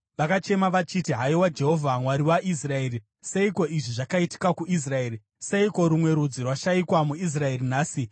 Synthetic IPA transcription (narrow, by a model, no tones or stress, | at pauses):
ʋakat͡ʃe̞maʋat͡ʃitiɦaiwad͡ʒe̞ɦo̞vʱamwaɾiwaʔis̬rae̞ːri | seiko̞iʐiʐakaiti̥kakuʔis̬rae̞ːɾi | se̞iko̞ɾumwe̞ɾud͡zirwaʃaikwamuis̬rae̞rinaːsi